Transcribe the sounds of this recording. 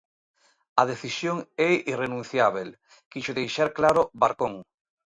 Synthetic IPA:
aðeθisjoŋɛirenũn̟θjaβel | kiʃoðejʃaɾklaɾoβaɾkõŋ

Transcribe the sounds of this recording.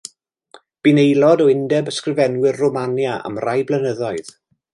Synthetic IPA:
b̥inejlˠɔdɔɪndɛbəskrɪvɛnwɪrrɔmanjaə̰mrajblˠənəðɔɨð̥

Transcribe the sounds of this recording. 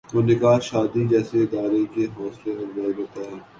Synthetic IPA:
oːnɪkaːʃaːd̪id͡ʒɛːseɪd̪aːɾekeɦɔːsleɐɾzaːiɾoːt̪aɦɛː

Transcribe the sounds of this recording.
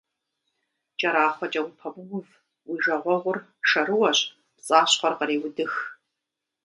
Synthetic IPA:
t͡ʃʼɐɾaːχʷɔt͡ʃʼɐwʊpʰɐbʊwʷʊv | wiʒɐʁʷɔʁʷʊr | ʂɐɾɨwɐɕʼ | pt͡sʼaːɕχʷɐrqɐɾeːwʊdɨx

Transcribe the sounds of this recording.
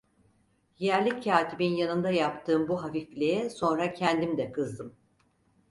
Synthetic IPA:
jæɾlʲicʰːaːt̪ʰibinjanɯnd̪ajap̚t̪ʰɯːmbuɦafiflʲeɛso̞nɾacʰɛnd̪imd̪ɛkʰɯzd̪ɯm

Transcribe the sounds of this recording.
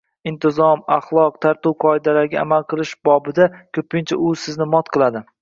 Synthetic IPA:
ɪnt̪ʰɪzɒmɑχlˠɒq̚t̪ʰaɾt̪uwqʰɒɪd̪alaɾɡʲaa̰malˠqʰɨlˠɪʃb̥ɒbɪd̪akʲʰɵpʰɪnt͡ʃʰa̰ʔʊsɪznɪmɒt̪̚qʰɨlˠad̪ɪ

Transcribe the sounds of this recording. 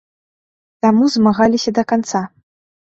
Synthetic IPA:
t̪amuzmaɣalʲisʲɐd̪ɐkant̪sa

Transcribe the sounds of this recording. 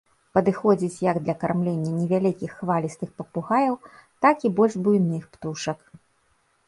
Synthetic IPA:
pɐd̪ɨxɔd͡zʲit͡sʲjɐɡd̪lʲɐkarmlʲenʲːɐnʲɛvʲalʲikʲixːvalʲist̪ɨxpɐpuɣajɐwt̪akibɔlʲʐbujnɨxpt̪uʂɐk

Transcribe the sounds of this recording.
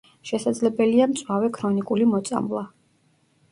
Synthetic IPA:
ʃɛsad̪zlɛbɛliamt̪sʼwavɛkʰɾɔnikʼulimɔt̪sʼa̰mlˠa

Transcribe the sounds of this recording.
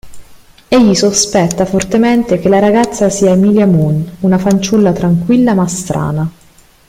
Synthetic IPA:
eʎːisospɛt̪ːafort̪ement̪ekelaɾaɡat̪sːasiːaemiːljamununafant͡ʃulːat̪ɾaŋkwilːamast̪ɾʔa̰ːna

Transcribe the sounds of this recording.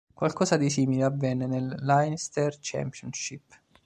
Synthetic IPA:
kwalkɔːszad̪isiːmileavːɛnːenelːajnst̪ert͡ʃɛ̰mpjɔnʃipː

